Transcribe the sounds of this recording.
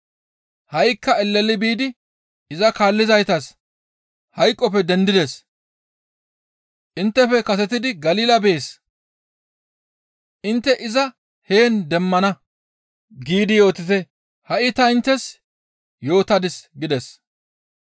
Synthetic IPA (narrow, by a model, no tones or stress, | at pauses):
hɐjkːɐɛlːɛlːɪbiːd̪ɪ | ɪzɐkaːlːɪzɐjt̪ɐs | hɐjkʼːɔpɛd̪ɛnd̪ɪd̪ɛs | ʔɪnt̪ːɛfɛkɐsɛt̪̬ɪd̪ɪɡɐliːlɐbe̞ːs | ʔɪnt̪ːɛʔɪzɐ | he̞ːnd̪ɛmːɐnɐ | ɡiːd̪ɪjo̞ːt̪ɪt̪ɛ | hɐʔɪt̪ɐɪnt̪ːɛs | jo̞ːt̪ɐd̪ɪsɡɪd̪ɛs